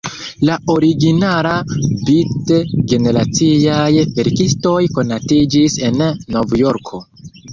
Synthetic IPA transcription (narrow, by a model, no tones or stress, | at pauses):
lao̞ɾiɡinalabitɡe̞ne̞ɾat͡siajve̞ɾkisto̞jko̞natid͡ʒise̞nːo̞vjo̞ɾkʰo̞